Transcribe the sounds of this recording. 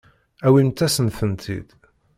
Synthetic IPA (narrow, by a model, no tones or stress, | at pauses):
æwimt̪æsənθənt̪ʰḭd̪̥